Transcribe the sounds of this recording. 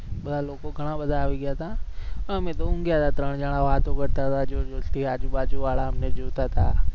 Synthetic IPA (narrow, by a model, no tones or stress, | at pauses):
bɐd̪ʱaloːkoɡʱɐɽ̃abɐd̪ʱaɦoiɡəjat̪ʰaːɔɾɐmẽd̪oũŋɡɪjat̪ʰat̪ɾəɽ̃d͡ʒaɽ̃aʋaːt̪õkɐɾt̪at̪ʰad͡ʒoːd͡ʒosʈiaːd͡ʒubaːd͡ʒuʋaːlaɦɐmned͡ʒuːt̪at̪ʰa̰ː